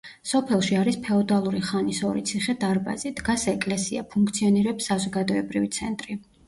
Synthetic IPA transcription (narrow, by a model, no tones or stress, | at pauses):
sɔpʰɛlˠʃiaɾispʰɛɔd̪alˠuɾiχanisɔɾit̪sʰiχɛd̪aɾba̰zid̪ɡasɛkʼlɛsia̰pʰuŋkʰt̪sʰiɔniɾɛpsːazɔɡad̪ɔɛbɾivit̪sʰɛnt̪ʼɾi